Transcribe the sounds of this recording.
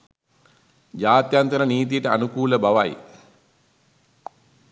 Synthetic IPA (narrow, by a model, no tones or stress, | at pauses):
d͡ʒaːt̪jant̪əɾəniːt̪̬ijəʈəanukuːləbaʋaj